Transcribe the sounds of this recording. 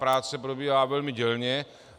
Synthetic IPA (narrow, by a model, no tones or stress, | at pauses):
pɾaːt͡sɛpɾobiːɦaːvɛlmɪɟɛlɲɛ